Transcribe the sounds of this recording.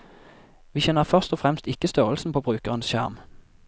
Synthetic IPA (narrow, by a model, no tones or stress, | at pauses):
ʋiːçɛnəʁfœʁst̪ɔfʁɛmst̪ɪkəst̪œʁəlsn̩pʰoːbʁʉːkəʁənsʃæ̰ʁm